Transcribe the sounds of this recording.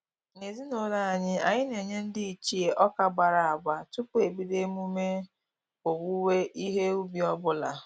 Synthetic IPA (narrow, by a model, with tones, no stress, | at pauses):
ne˨zi˦no˨la˦a˨ɲɪ˦a˨ɲɪ˦ne˨ɲe˦n̩˦dɪ˦i˨t͡ʃi˨e˨ʔɔ˦ka˦ɡ͡ba˨ɾa˨a˨ɡ͡ba˨tu˦pu˦e˨bi˦de˦mu˦me˦ | o˨wu˦we˦ʔi˦ɦe˦u˦bi˦ɔ˦bʊ˦la˨